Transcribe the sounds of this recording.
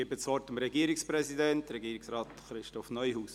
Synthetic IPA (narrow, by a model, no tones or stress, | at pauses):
ɪbət͡sʋɔtəmɾɛɡiəɾɪkspɾɛsidɛntɾɛɡiːɾɪksɾɑːtχɾɪʃtɔfnœʏhuːs